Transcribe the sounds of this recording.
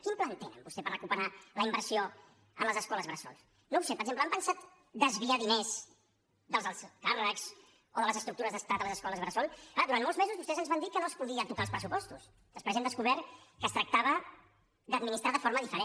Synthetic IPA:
kimplənt̪enə̰mbust̪epərəkupəɾaləimbəɾsio | əmləzəskɔləzβɾəsɔ̰lˠs | nowsepəɾɡʒempləɛmpənsat̪ | d̪əzβiaðinez | d̪əlˠzəlˠskarəkz | oðələzəst̪ɾuk̚t̪uɾəzðəst̪at̪ələzəskɔləzβɾəsɔlklaðuɾanmolˠzmezuzβust̪ɛzənzβand̪ikənoəspuðiət̪ukalˠspɾəsupɔst̪us | əspɾɛzɛmd̪əskuβɛɾkəst̪ɾək̚t̪aβə | d̪əd̪̚minist̪ɾaðəfoɾməðifəɾe

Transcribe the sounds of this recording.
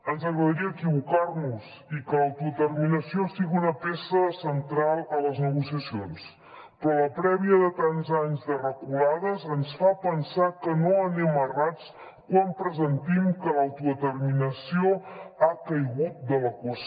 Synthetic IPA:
ənzəɣɾəðəɾiəːkiβukarnuz | ikəlawt̪uðət̪ərminəsiost̪iɣunəpesəsənt̪ɾalˠələznəɣusiəsions | pɾɔləpɾɛβiəðət̪anzaɲzðərəkulaðəzənsfapənsakənoənɛmərat͡s | kwampɾəzənt̪imkəlawt̪uðət̪ərminəsioakəjɣut̪̚d̪ələkwəs

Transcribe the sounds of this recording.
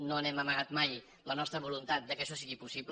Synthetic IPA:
noənɛməməɣat̪maj | lənɔst̪ɾəβulunt̪at̪̚d̪əkəʃɔsiɣipusibl

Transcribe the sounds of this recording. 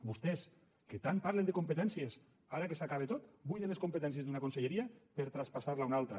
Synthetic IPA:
bust̪ɛs | ket̪ampaɾlend̪ekumpet̪ɛnsies | aɾakesakaβ̞et̪ot̪bujðenleskumpet̪ɛnsjezd̪unakunseʎeɾiapeɾt̪ɾaspasaɾlaunalˠt̪ɾa

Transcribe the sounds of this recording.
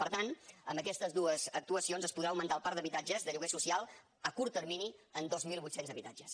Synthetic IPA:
pəɾt̪anəmbəkɛst̪əzðuəzək̚t̪uəsionzəspuðɾaəwmənt̪alˠpaɾd̪əβit̪ad͡ʒəzðəʎuɣesusialˠ | əkuɾt̪ːəɾminiənd̪ozmilˠβut̪senzəβit̪ad͡ʒəs

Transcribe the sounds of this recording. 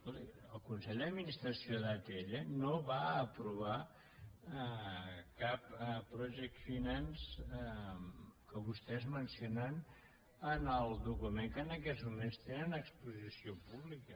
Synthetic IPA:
od̪iəlˠkunsɛʎd̪əd̪minist̪ɾəsioðat̪eʎənoβaəpɾuβ̞a | kappːɾɔʒɛk̚t̪finans | kəβust̪ɛzmənsionən | ənəlˠd̪ukumeŋkənəkɛzmumenst̪enənəkspuzisiopuβlikə

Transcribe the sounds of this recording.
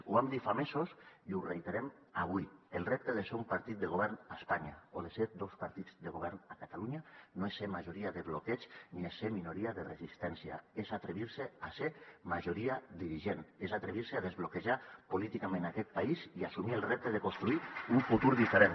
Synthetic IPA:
ṵβamd̪ifamesosiurejt̪eɾem | aβ̞uielˠrep̚t̪əðeseumpaɾt̪it̪̚d̪əɣoβɛɾnaspaɲa̰oðeseɾd̪ospaɾt̪id͡zd̪eɣoβ̞ɛɾnakat̪aluɲanoesːemaʒoɾiaðeβlokɛt͡ʃniesːeminuɾiaðerezist̪ɛnsia̰ezat̪ɾeβiɾseasemaʒoɾiad̪iɾiʒenezat̪ɾeβ̞iɾseaðezβlokeʒapolit̪ikamẽnakɛt̪̚paiziasumielˠrep̚t̪əðekonst̪ɾuiuɱfut̪uɾðifeɾen

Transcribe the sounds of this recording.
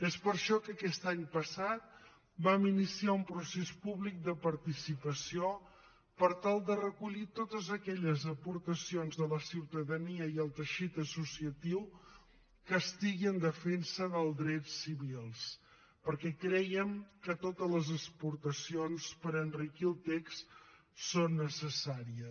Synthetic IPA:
espəɾʃɔkəkɛst̪aɲpəsat̪̚ | baminisiaumpɾusespuβlik̚d̪əpəɾt̪isipəsio | pəɾt̪alˠd̪ərəkuʎit̪ot̪əzəkɛʎəzəpuɾt̪əsionzðələsiwt̪əðəniəiəlˠt̪əʃit̪əsusiət̪iw | kəst̪iɣiənd̪əfensəðəlˠd̪ɾɛtsiβilˠs | pəɾkɛkɾɛjəmkət̪ot̪əzləzəspuɾt̪əsionspəɾənrikilˠt̪eks | sonːəsəsaɾiə

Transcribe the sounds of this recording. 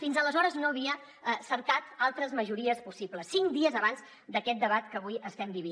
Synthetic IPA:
finzələzɔɾəznoəβ̞iə | səɾkat̪alˠt̪ɾəzməʒuɾiəspusipləsːiŋkd̪iəzəβanz | d̪əkɛt̪̚d̪əβat̪kəβ̞ujəst̪ɛmbiβi

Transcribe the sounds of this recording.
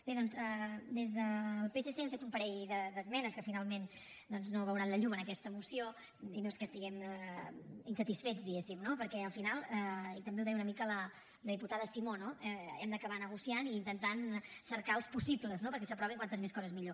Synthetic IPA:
b̥eðɔnzəd̪ezðəːlˠpeseseɛɱfet̪umpəɾɛʎðəd̪əzmɛnəskəfinalˠmen | d̪ɔnznoβəwɾanləʎumənəkɛst̪əmusio | inoeskəst̪iɣɛmə | insət̪isfed͡zðiɣesimnopəɾkɛəlˠfinalˠɛt̪əmbeuwˠðɛwunəmikələ | ləðiput̪aðəsimonoɛɛmd̪əkəβanəɣ̞usianiːnt̪ənt̪ansəɾkaəlˠspusipləznopəɾkɛs̬əpɾɔβiŋkwant̪əzmeskɔzəzmiʎo

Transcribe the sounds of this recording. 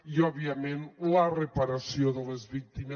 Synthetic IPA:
iɔβiamenlərəpaɾasioðəlezβik̚t̪ime

